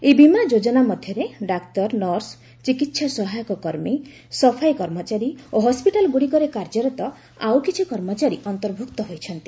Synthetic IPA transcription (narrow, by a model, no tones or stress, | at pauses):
ebimad͡ʒod͡ʒɔnamɔd̪ʱjɔɾeɖakt̪ɔɾnɔɾs | t͡ʃikit̪sʰasɔɦajɔkɔkɔɾmi | sɔpʰajkɔɾmɔt͡ʃaɾioɦɔspiʈalɡuɽikɔɾekaɾd͡ʒɔɾɔt̪ɔ | awkit͡ʃʰikɔɾmɔt͡ʃaɾiʔɔnt̪ɔɾbʱukt̪ɔɦojt͡ʃʰɔnt̪i̥